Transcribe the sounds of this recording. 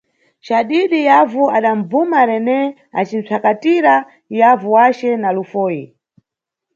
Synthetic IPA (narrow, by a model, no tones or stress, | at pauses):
t͡ʃaɗiɗijavuaɗaɱb͡vumaɾɛnɛ | a̰t͡ʃin̩t͡sʰakatiɾa | javuwat͡ʃɛnalufɔːji